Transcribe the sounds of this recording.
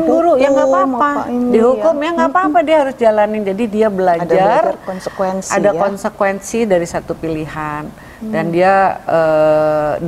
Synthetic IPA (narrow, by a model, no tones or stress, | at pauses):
ŋuɾujaŋaaaadiɦukʊmjaŋapaːpadiaɦaɾʊsd͡ʒalanɪnd͡ʒadidiabəlad͡ʒarnskwɛnsʔadakɔnsəkwɛnsidaɾisat̪upiliɦan | dandiaə